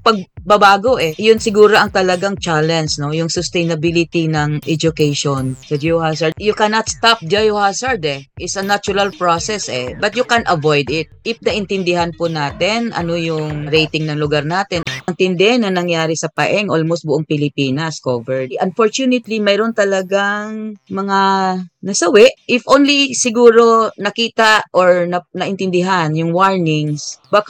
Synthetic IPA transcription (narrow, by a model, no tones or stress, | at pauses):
pɐɡ̚bɐbaːɡo̞ʔɛjʊnsɪɡuːɾoʔɐŋt̪ɐlɐɡaŋt͡ʃalɐnsno̞jʊŋsʊst̪ejnɐbilɪt̪inɐŋʔɛd͡ʒʊkejʃonsɐd͡ʒɛohasɐɹd̪̚jʊkanɐt̪st̪ap̚d͡ʒɛjohasɐɹd̪ɛʔɪtsɐnat͡ʃʊɾɐlpɹosɛsɛ̰bɐt̪̚jʊkanʔɐvojd̪ɪt̪̚ʔɪf̚nɐʔɪnt̪ɪnd̪ɪhanpʊnaːt̪ɪnʔɐ̰nojʊŋɾejt̪ɪŋnɐŋlʊɡaɾnaːt̪ɛnɐŋt̪ɪnd̪ɛnɐŋnɐŋjaːɾɪsɐpa̰ʔɛŋʔolmost̪̚bʊʔoŋpɪlɪpiːnɐskoːvɛɹd̪ʔɐnfoɹt͡ʃunɪt̪limɛjɾont̪ɐlɐɡaŋmɐŋanɐsɐwɛʔʔɪfʔonlisɪɡuːɾo̞nɐkiːt̪ɐʔoɹnɐnɐʔɪnt̪ɪnd̪ɪɦanjʊŋwaɹnɪŋsbak